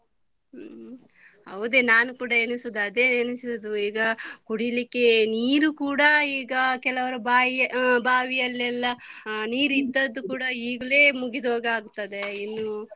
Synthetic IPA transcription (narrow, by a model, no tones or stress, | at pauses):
ɐʋud̪e̞ːnaːnukuːɽɐenisud̪ɐd̪e̞ːenisiud̪uiːɡɐkuɽilikːe̞niːɾukuːɽɐiːɡɐkɛlɐʋɐɾubaːjbaːʋijɐlːɛlːɐniːɾid̪ːɐd̪ːukuːɽɐiːɡɐle̞ːmuɡid̪oːɡɐaːɡut̪ːɐd̪e̞inːu